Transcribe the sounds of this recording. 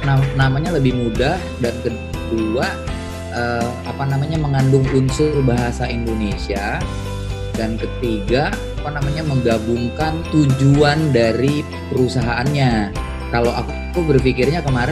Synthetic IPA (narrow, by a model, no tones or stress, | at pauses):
nanamaɲaləbɪhmudahdankə | dua | ʔəapanamaɲaməŋandʊŋunsʊrbaɦasaindonesia | dankət̪iɡaapanamaɲaməŋɡabʊŋkant̪ud͡ʒuandaɾi | pəɾusaɦaʔːnɲa | kaloʔak | kubərfikɪrɲakəmaɾ